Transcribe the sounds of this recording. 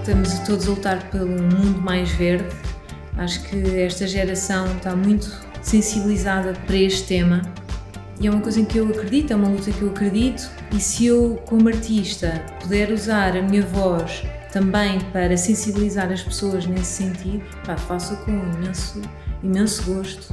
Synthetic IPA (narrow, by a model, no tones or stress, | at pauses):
t̪ɐmuzɐt̪oðuzɐlˠut̪aɾpelˠuumũnd̪umajʒveɾð | aʃu̥kʰɨɛʃt̪ɐʒɛɾɐsɐ̃w̃t̪amũj̃t̪u̥ | sẽsiβlˠizaðɐpɐɾɐeʃt̪t̪ːemɐ | iɛumɐkojzɐ̃ẽkewɐkɾɨðit̪wɛumɐlˠut̪ɐkewɐkɾɨðit̪u̥ | isɨewkomɐɾt̪iʃt̪ɐpuðɛɾuzaɾɐmiɲɐvɔʃt̪ɐ̃mbɐ̃j̃pɐɾɐsẽsiβlˠizaɾɐʃpsoɐʒnesːẽnt̪iðupafasukõimẽsu | imẽsuɣoʃt̪u̥